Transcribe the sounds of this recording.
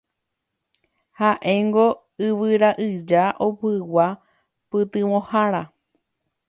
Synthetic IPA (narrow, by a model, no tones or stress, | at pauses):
haʔẽ̞ŋɡo̞ | ɨʋɨɾaʔɨd͡ʒaʔopɨwa | pɨt̪ɨʋõhaɾa